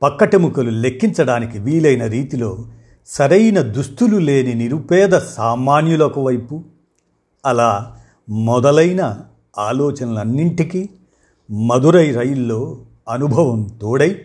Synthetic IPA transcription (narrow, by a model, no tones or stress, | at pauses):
pɐkːɐʈemukɐlule̞kːint͡ʃɐɽaːnikiʋiːlɐjnɐɾiːt̪ilo̞ː | sɐɾɐjnɐd̪ust̪ulule̞ːniniɾupɛːd̪ɐsaːmaːnjulɐkuʋɐjpu | ɐlaː | mɔd̪ɐlɐjnɐ | aːlɔːt͡ʃɐnɐlɐnːiɳʈiki | mɐd̪uɾɐjɾɐjulːo̞ː | ɐnubʱɐʋɐmt̪ɔːɽɐji